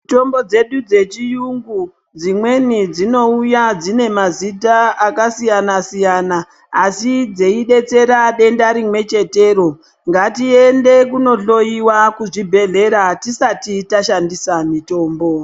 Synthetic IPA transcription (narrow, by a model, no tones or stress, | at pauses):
mito̞mbo̞d͡ze̞ɗud͡ze̞t͡ʃijuŋɡu | d͡zimwe̞nid͡zino̞ujad͡zine̞mazitaːkasijanasijanaː | sid͡zeiɗe̞t͡se̞ɾaɗe̞ndaɾimwe̞t͡ʃe̞te̞ːɾo̞ | ŋɡatie̞nde̞kuno̞ɬo̞jiwakuʐibʱe̞ɮe̞ɾatisatitaʃandisamito̞ːmbo̞